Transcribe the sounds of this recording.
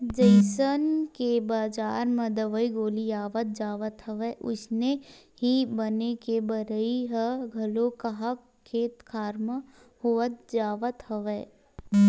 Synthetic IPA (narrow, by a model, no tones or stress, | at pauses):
d͡ʒɐɪsənkebaːd͡ʒaːɾmɐd̪əʋəiɡoːlijaːʋət̪̚d͡ʒaːʋət̪ɦɐʋeʔʊ̰sne | ɦibɐnekebɐɾəiɦəɡʱɐlokɐɦakʰːeːt̪kʰaːɾmə | hoːət̪̚d͡ʒaːʋət̪hɐʋɛː